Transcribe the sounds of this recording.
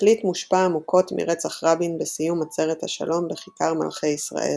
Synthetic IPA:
litmuʃpaːmuko̞tmḭʁet͡saχʁabinbesijumat͡se̞ʁethaʃa̰lo̞mbeχikaʁma̰lχejisʁa̰ʔe̞̰l

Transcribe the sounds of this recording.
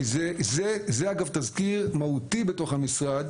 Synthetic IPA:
izezezeaɡavtazkiʁmaut̪ibeto̞χhamisʁad̪

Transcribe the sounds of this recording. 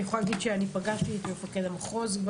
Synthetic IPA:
eχoalaɡid̪ʃeanipaɡaʃt̪it̪imefaked̪amaχozb

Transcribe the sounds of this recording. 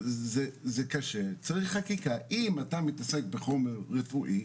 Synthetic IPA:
zezekaʃet͡saʁiχːakikaʔimatamitasek̚beχo̞meʁːefuʔi

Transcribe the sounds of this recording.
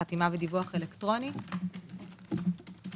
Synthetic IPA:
atimavedivuaχelektʁo̞ni

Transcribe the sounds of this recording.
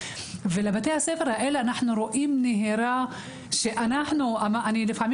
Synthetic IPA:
velabat̪ejhasefeɾhaʔeleanaħnuɾoʔimneɦeɾa | ʃeʔanaħnuʔamaʔanilefaʕmi

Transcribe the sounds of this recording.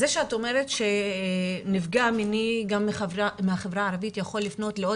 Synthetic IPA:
zeʃeatome̞ʁetʃe̞ | nivɡaminiɡamːmehaχevʁaːʁavitjaχo̞lːifno̞tleo

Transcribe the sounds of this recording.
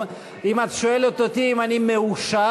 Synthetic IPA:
ɾimat̪suɛlot̪ːot̪iimanimːeuʃːa

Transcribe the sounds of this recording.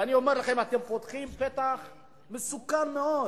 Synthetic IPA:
anio̞meʁlaχe̞mat̪e̞mpot̪χimpet̪aχ | mesukanmeo

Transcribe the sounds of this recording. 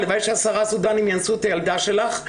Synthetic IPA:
ləvajʃasaʁasudanimjansutajaldaʃɛlaχ

